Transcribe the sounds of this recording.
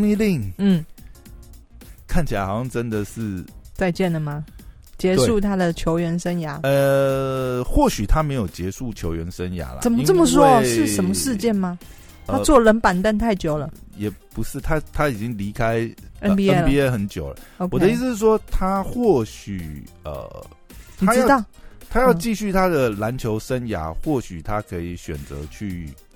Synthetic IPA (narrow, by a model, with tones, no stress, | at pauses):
ŋi˥˧li˥˧˩ŋn̩˥˩ | kʰa˥˩nt͡ɕʰi˨˩a˧ɪxɑ˨ʊɕjɑ˥˧ŋʈ͡ʂə˦nd̪ə˨ʂɻ̩˥˩t͡sa˥˧ɪt͡ɕjɛ˥˩nd̪ə˩ma˩ | t͡ɕjɛ˧˥e˥˩u˥˧t̪ʰa˥d̪ə˨t͡ɕʰjo˧˥ʊɥɛ˧˥nʂə˥nja˧˥˦ə˧ | xwɔ˥˩ɕy˨˩t̪ʰa˦me˧˥ɪjo˨˩ʊt͡ɕjɛ˧˥ʂu˥˩t͡ɕʰjo˧˥ʊɥɛ˧˦nʂə˦˥nja̰˧˥˦lɐ̰˦˨ə˨˩nmə˦t͡sə˥˩mə˨˩s̬wɔ˥˧ʂɻ̩˥˨ʂə˨˦mə˨˧ʂɻ̩˥˧t͡ɕjɛ˥˩nma˨˩ | t̪ʰa˥t͡swɔ˥˩lə˧˥npa˨˩nt̪a˥˧nt̪ʰa˥˩ɪt͡ɕjo˨˩ʊlə˦jɛ˨˩pu˧˦ʂɻ̩˥˩t̪ʰa˥t̪ʰa˥i˨˩t͡ɕi˦ŋli˧˥kʰa˥ɪə˦piə˧˦˩ni˧ɛ˥˩xə˧˥nt͡ɕjo̰˨˩ʊlə̰˦o˧wɔ˨d̪ə˦ii˥s̩˧ʂɻ̩˥˩ʂwɔ˥t̪ʰa˥xwɔ˥˩ɕy̰˨˩ə̰˨˩ | t̪ʰa˥j̪ɑ˥˩t̪ʰa˥jɑ˥˧ʊt͡ɕi˥˧ɕy˥˩t̪ʰa˥d̪ə˨la˧˥nt͡ɕʰjo˧˥ʊʂə˦nja̰˧˥xwɔ˥˩ɕy˨˩t̪ʰa˦kʰɤ˧˥i˨˩ɕɥɛ̰˨˩nt͡sɤ̰˧˦t͡ɕʰy˥˩